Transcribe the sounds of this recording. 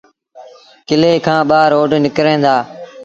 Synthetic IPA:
kɪleːkʰãːɓaːɾoːɖnɪkɾẽːnd̪aː

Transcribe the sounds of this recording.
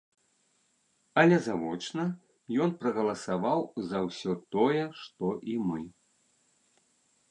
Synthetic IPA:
ɐlʲɛzavɔt͡ʂnɐ | jɔnpɾɐɣɐlˠɐsavawzɐwsʲɔt̪ɔjɛʂt̪ɔʔimɨ

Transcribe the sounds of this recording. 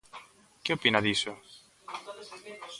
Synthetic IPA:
ceopinɐðiso

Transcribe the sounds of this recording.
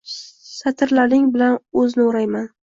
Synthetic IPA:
sat̪ʰɪɾlanɪŋbɪlanɵzɪnɪʊɾajman

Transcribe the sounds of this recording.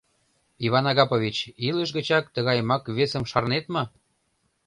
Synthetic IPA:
iβɑnɑɣɑpoβʲit͡ɕiləʃ̬ɣə̆t͡ɕɑk̚t̪əɣɑjmɑkβesə̆mʃɑrnet̪mɤ̆

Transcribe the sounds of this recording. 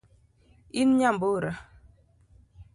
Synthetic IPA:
inɲamboɾa

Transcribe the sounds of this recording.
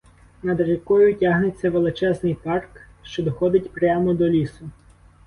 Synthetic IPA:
nɐd̪ɾekɔjʊtʲaɦnet͡sʲːɐʋelˠɪt͡ʃɛznɪjpɑrk | ʃt͡ʃɔd̪ɔxɔd̪ɪtʲpɾʲamɔd̪ɔlʲisʊ

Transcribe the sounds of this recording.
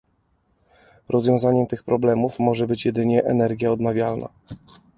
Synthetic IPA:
ɾʔɔzvʲjɔ̃w̃zaɲɛmt̪ɘxpɾɔblɛmufmɔʐɛbɘt͡ɕjɛd̪ɘɲɛʔɛnɛɾɡʲjaɔd̪navʲjalna̰

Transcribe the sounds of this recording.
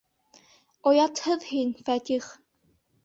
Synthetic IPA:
ojɑt̪hɤðhinʲfæt̪ʲiχ

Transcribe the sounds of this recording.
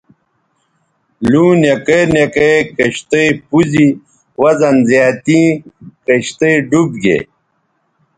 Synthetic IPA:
lũːnekenjekejkɐɕt̪ejpuzi | wɐzɐnzjaːt̪ĩːkɐɕt̪eɖubɡḛ

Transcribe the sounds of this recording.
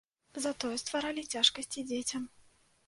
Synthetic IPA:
zat̪ɔjɛst̪vaɾalʲit͡sʲaʂkɐsʲt͡sʲid͡zʲet͡sʲɐm

